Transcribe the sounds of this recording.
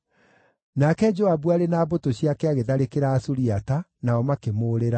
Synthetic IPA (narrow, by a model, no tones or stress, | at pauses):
nakɛd͡ʒoabuaɾenaːbotoɕiakɛaɣeðaɾekeɾaːsuɾiatanaɔmakemoːɾeɾa